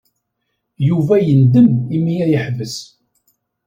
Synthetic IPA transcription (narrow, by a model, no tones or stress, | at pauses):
juvæjənd̪əmimːiæjəħvəs